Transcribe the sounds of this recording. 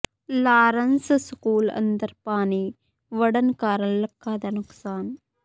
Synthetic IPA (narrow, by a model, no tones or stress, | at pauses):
laːɾɐnsskuːlɐ̰nd̪ɐɾpaːniː | ʋɐɽɐnkaːɾɐlːɐkːaːd̪ɐnuksaːn